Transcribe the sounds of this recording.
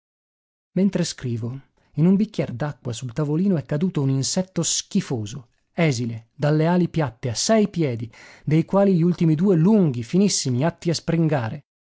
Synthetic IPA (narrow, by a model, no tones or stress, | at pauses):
ment̪ɾeskɾiːvo | inumbikʲːjɛrd̪akːwasult̪avoliːnoɛkːad̪uːt̪ouninsɛt̪ːosk̟ifoːzo | ɛːziled̪alːeaːlipjat̪ːeasːɛjpjɛːd̪id̪ejkwaːliʎiult̪imid̪uːeluŋɡifinisːimiat̪ːiaspɾiŋɡaːɾe